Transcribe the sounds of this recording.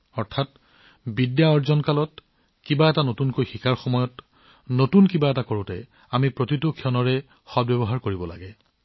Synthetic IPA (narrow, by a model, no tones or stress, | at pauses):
ɔɹtʰat̚ | bidjaɔɹzɔnkalɔt | kibaɛtanotunkojxikʰaɹxɔmɔjɔt | notunkibaɛtakoɹʊ̃tɛ | amipɹotitʊkʰiɔnɔɹɛ | xɔd̚bɛbɔɦaɹkoɹibɔla̰ɡɛ